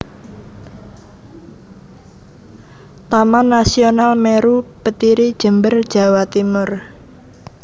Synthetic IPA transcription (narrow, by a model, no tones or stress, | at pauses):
t̪amanːasionalmeɾupət̪iɾid̥ʒ̥ə̤mbərd̥ʒ̥ä̤wat̪imʊr